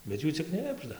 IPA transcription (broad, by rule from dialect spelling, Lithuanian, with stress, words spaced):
bʲɛt ˈjuː t͡sʲɪk ˈknʲɪbʒdɐ